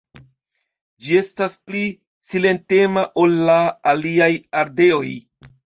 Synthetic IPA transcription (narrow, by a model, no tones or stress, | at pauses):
d͡ʒie̞staspli | sile̞nte̞maʔo̞lːaːliajaɾde̞o̞j